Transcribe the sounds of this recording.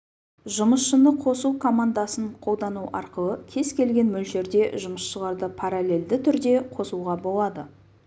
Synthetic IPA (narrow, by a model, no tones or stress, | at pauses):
ʒʊməsʃənəqʰo̞sukʰo̞mand̪asəɴqʰo̞lˠd̪ɑnuʔɑɾqəlˠəkʲʰe̞zkʲʰe̞lɡʲe̞nmɵlʃe̞ɾd̪e̞ʒʊməsʃəlˠɑɾd̪əpʰaɾalʲe̞ld̪ɪt̪ʰʏɾd̪e̞qʰo̞suʁɑbo̞lˠɑd̪ə